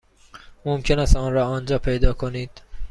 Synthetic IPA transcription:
momcʰenæst̪ɒːnɾɒːɒːnd͡ʒɒːpʰejd̪ɒːkʰoniːd̪̥

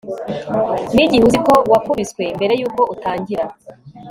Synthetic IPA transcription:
niɟihuziko̞wakuβiskwe̞mbe̞ɾe̞juːko̞ʔutaːɲɟiɾa

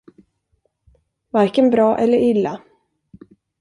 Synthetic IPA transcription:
vaɾkənbɾɑːʔɛlːəɾɪlːa

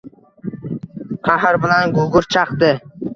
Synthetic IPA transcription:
qʰɑɦɾbɪlanɡʊɡʊɾt͡ʃʰɑqd̪ɪ

